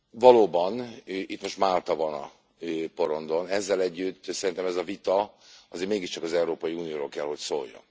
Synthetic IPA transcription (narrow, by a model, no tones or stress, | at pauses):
vɒloːbɒnʔit̪mo̞ʃt̪maːlt̪ɒvɒnɒ̰ | øpo̞ɾo̞nd̪o̞nɛzːɛlɛɟːyt̪ːsɛɾint̪ɛmɛzɒvit̪ɒɒzeːɾmeːɡiʃt͡ʃɒkɒzɛuɾoːpɒjiuːnijoːɾo̞ːlkɛlho̞csoːjjːɒ̰n